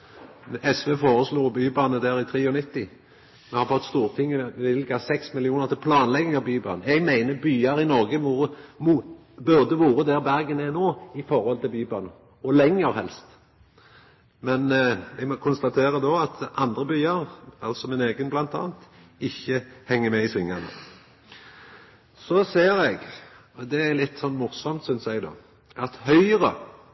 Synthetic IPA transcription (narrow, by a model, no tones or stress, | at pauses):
ʔɛsʋefoːʁəsluːbyːbɑːnəd̪æːɾɪt̪ʰɾiːɔnɪt̪ːɪ | mɛhɑʁfɔt̪ːst̪uːʁt̪ʰɪŋːəɪlɡɑsɛksmɪlɪuːnəʁt̪ʰɪlpʰlɑːnlɛɡɪŋɑʋbyːbɑ̰ːnəɛɡmæɪnəbyːɑɾɪnɔʁɡəʋuːʁəmu | bʉʁd̪əʋuːɾəd̪æːʁbæʁɡənɛnoːɪfɔɾhɔlt̪ʰɪlbyːbɑ̰ːnə | ɔlɛŋːəɾhɛ̰lst̪ | mɛnʋɪmɔkʰʊnst̪ɑt̪ʰeːɾəd̪oːɑt̪ɑnd̪ɾəbyːɑɾɑ̰lsɔmɪneːɡənblɑnt̪ʰɑ̰ːnt̪ | ɪçːəhɛŋːəmɛɪsʋɪŋːɑnə̰ | sɔseːɾɛɡ | ɔd̪ɛælɪt̪ːsɔnːmʊʁsɔmt̪sʏnsɛɡd̪o̰ː | ʔɑt̪hœʏɾə